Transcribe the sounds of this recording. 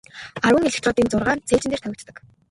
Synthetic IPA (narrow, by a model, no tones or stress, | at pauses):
aɾwə̆ŋeɮɘ̆kt̪rɔːt̪iːnt͡sʊrʁaːrt͡sʰeːt͡ɕɪ̆neːrt̪ʰæwʲɪ̆t̪t̪ə̆k